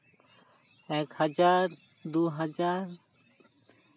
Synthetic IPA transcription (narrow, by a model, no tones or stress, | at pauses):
ɛkhad͡ʒaɾ | d̪uɦad͡ʒaɾ